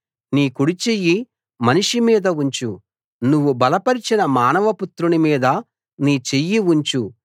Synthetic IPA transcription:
niːkuɽit͡ʃejːi | mɐniʂimiːd̪ɐuɲt͡ʃu | nuʋːubɐlɐpɐɾit͡ʃinɐmaːnɐʋɐput̪ɾunimiːd̪ɐ | niːt͡ʃejːiuɲt͡ʃu

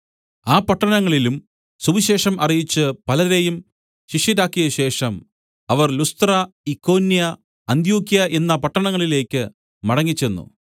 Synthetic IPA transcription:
aːpɐʈːɐnɐŋːɐɭilum | suʋiɕe̞ːʂɐmʔɐrijit͡ɕːɨpɐlɐðe̞jum | ɕiʂjiɾaːkːijɐɕe̞ːʂɐm | ɐʋɐrlust̪rɐikːo̞ːnːijɐ | ɐnd̪juːkːijɐʔe̞nːɐpɐʈːɐɳɐŋːɐɭile̞ːkʲːɨ | mɐɽɐŋːit͡ɕːe̞nːṵ

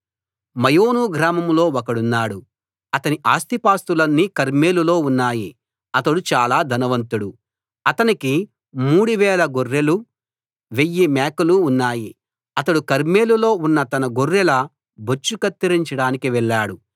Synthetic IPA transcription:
mɐjoːnuːɡɾaːmɐmlo̞ːɔkɐɽunːaːɽu | ɐt̪ɐniʔaːst̪ipaːst̪ulɐnːiːkɐɾme̞ːlulo̞ːunːaːji | ɐt̪ɐɽut͡ʃaːlaːd̪ʱɐnɐʋɐnt̪uɽu | ɐt̪ɐniki | muːɽuʋɛːlɐɡorːelu | ʋe̞jːimɛːkɐluːnːaːji | ɐt̪ɐɽukɐɾme̞ːlulo̞ːunːɐt̪ɐnɐɡorːelɐ | bot͡ʃːukɐt̪ːiɾiɲt͡ʃɐɽaːnikiʋɛɭːaːɽu

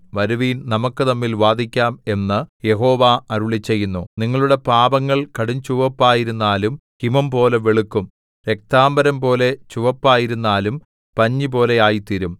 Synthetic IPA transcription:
ʋɐɾuʋiːnnɐmukːɨt̪ɐmːilʋaːd̪ʱikʲːaːme̞nːɨje̞ɦo̞ːʋaɐɾuɭit͡ɕːe̞jːunːuniŋːɐɭuɽe̞paːbɐŋːɐɭkɐɽiɲt͡ɕuʋɐpːaːjiɾunːaːlumkimɐmpo̞ːle̞ʋeɭukːum | ɾe̞k̚t̪aːmbɐɾɐmpo̞ːle̞t͡ɕuʋɐpːaːjiɾunːaːlum | pɐɲːipo̞ːle̞aːjit̪iɾum

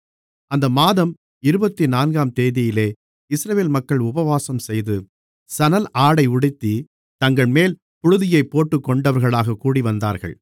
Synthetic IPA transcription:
ɐnd̪ɐmaːðɐm | ɪɾɯbɐt̪ːinaːnɡaːmt̪eːðɪjɪleː | ɪsɾɐʋeːlmɐkːɐɭʊbɐʋaːsɐmsɛjðɯ | sɐnɐlʔaːɽɐɪʊɽɪt̪ːi | t̪ɐŋɡɐɭmeːl | pʊɻɯðɪjɐɪpːoːʈːɯkːɔɳɖɐʋɐɾɣɐɭaːɣɐkːuːɽiʋɐnd̪a̰ːɾɣɐ̰ɭ

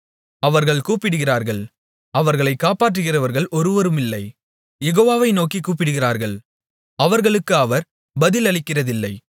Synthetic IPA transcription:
ɐʋɐɾɣɐɭkuːpɪɽɯɣɪraːɾɣɐɭ | ɐʋɐɾɣɐɭɐɪkːaːpaːʈrɯɣɪrɐʋɐɾɣɐɭʔɔɾɯʋɐɾɯmɪlːɐɪ | jɛɣoːʋaːʋɐɪnoːkikuːp̬ːɪɽɯɣɪraːɾɣɐɭ | ɐʋɐɾɣɐɭɯkːɯɐʋɐɾ | bɐðɪlɐɭɪkːɪrɐðɪlːɐɪ

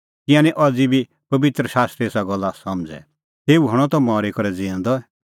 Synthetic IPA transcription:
kɪãːnĩʔɐd͡zibʱi | pɐbɪt̪ɾəʃaːst̪ɾeːsaɡɔlːasɐmd͡zɛ̰ | t̪eːuɦɐɽ̃ɔt̪ɔmaːɾikɐɾɛd͡zĩãnd̪ɔɛ

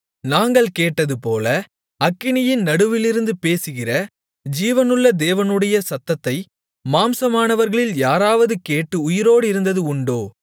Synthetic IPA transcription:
naːŋɡɐɭkeːʈːɐðɯpoːlɐ | ɐkːɪɳɪjɪnnɐɽɯʋɪlɪɾɯnd̪ɯpeːsɯɣɪrɐ | d͡ʒiːʋɐnɯɭːɐd̪eːʋɐnɯɽɐjɐsɐt̪ːɐt̪ːɐɪ | maːmsɐmaːnɐʋɐɾɣɐɭɪljaːɾaːʋɐðɯkeːʈːɯʊjɪɾoːɽɪɾɯnd̪ɐðɯʊɳɖoː

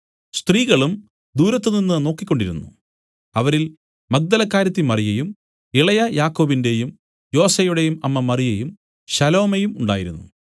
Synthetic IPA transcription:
st̪riːɣɐɭum | d̪uːɾɐt̪ːɨninːɨno̞ːkːikʲːo̞ɳɖiɾṵnːṵ | ɐʋɐɾil | mɐk̚d̪ɐlɐkːaːɾjɐt̪ːimɐrijɐjum | iɭɐjɐjaːkːo̞ːbinde̞jum | jo̞ːsejuɽe̞jumɐmːɐmɐrijejum | ɕɐlo̞ːmejumuɳɖa̰ːjiɾunːṵ

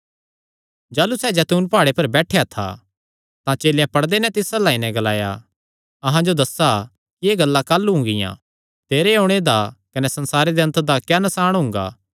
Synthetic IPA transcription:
d͡ʒaːlusɛːd͡ʒɛːt̪uːnpaːɽepɐɾbɛːʈʰejat̪ʰa̰ | t̪ãt͡ʃeːljãpɐɽd̪enɛt̪ɪsalaːinɛ̃ɡɐla̰ːja̰ | ɐɦãd͡ʒod̪ɐsa | kieːɡɐlːakaːlːɦʊ̃ŋɡɪ̰jã̰ | t̪eːɾeõːɽ̃ed̪akɐnɛsɐnsaːɾed̪eɐnt̪d̪akjanɐsaːɽ̃ɦʊ̃ŋɡa̰ː

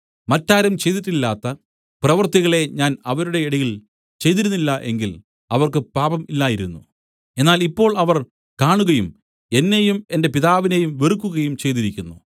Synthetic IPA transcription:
mɐtːaːɾɐmt͡ɕe̞jt̪̬iʈːilːaːt̪ːɐ | prɐʋɐrt̪iɣɐɭe̞ɲaːnɐʋɐɾuɽe̞ːɽɐjiɭ | t͡ɕe̞jt̪iɾunːilːɐʔe̞ŋɡil | ɐʋɐrkɨpaːbɐmilːaːjiɾunːṵ | e̞nːaːlipːo̞ːɭɐʋɐr | kaːɳuɣɐjum | e̞nːe̞jume̞nde̞piðaːʋine̞jumʋerukːuɣɐjumt͡ɕe̞jt̪̬iɾikʲːunːṵ

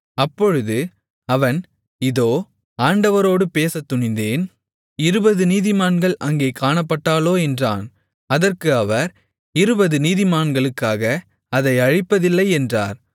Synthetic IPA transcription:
ɐpːɔɻɯðɯ | ɐʋɐn | ɪðoː | aːɳɖɐʋɐɾoːɽɯpeːsɐt̪ːʊɳɪnd̪eːn | ɪɾɯbɐðɯniːðɪmaːnɡɐɭʔɐŋɡeːkaːɳɐpːɐʈːaːloːɛndra̰ːn | ɐðɐrkɯɐʋɐɾ | ɪɾɯbɐðɯniːðɪmaːnɡɐɭɯkːaːɣɐ | ɐðɐɪɐɻɪpːɐðɪlːɐɪɛndra̰ːɾ

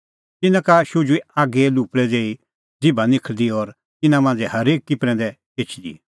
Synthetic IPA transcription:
t̪ɪnãkaʃʊd͡ʒuiaːɡɛluːpɽɛd͡zeːi | d͡zɪbanɪkʰld̪iɔɾ | t̪ɪnãmãːnd͡zɛhɐɾeːkːɪpɾɛ̃d̪ɛ | eːt͡ʃʰd̪ḭ

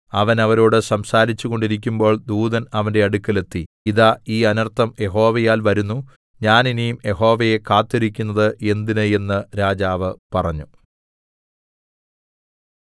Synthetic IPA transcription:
ɐʋɐnɐʋɐɾoːɽɨsɐmsaːɾit͡ɕːuɣo̞ɳɖiɾik̬ʲːumbo̞ːɭd̪uːðɐnɐʋɐnde̞ɐɽukːɐle̞t̪ːi | iðaːiːɐnɐrt̪ʰːɐmje̞ɦo̞ːʋɐjaːlʋɐɾunːu | ɲaːninijumje̞ɦo̞ːʋɐje̞kaːt̪ːeɾikʲːunːɐðɨʔe̞nd̪inɨje̞nːɨɾaːd͡ʑaːʋɨpɐrɐɲːu

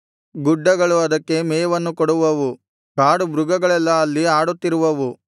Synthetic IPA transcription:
ɡuɖːɐɡɐɭuɐd̪ɐkːe̞mɛːʋɐnːukɔɽuʋɐʋu | ɡaːɽubɾuɡɐɡɐɭɛlːɐːlːiaːɽut̪ːiɾuʋɐʋu

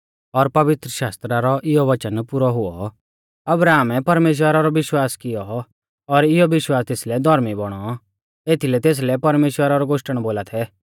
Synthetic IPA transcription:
ɔɾpɐʋɪt̪ɾəʃaːst̪ɾaɾɔʔɪjɔʋɐt͡ʃənpʊɾɔɦʊɔ̰ | ɐbɾaːmɛpɐɾmeːʃ̬wəɾaɾɔʋɪʃwaːskɪjɔ | ɔɾɪjɔʋɪʃwaːst̪eːslɛd̪ʱɔɾmibɔɽ̃ɔ | eːt̪ʰilɛt̪eːs̬lɛpɐɾmeːʃwəɾaɾɔɡoːʃʈəɽ̃boːlat̪ʰɛ

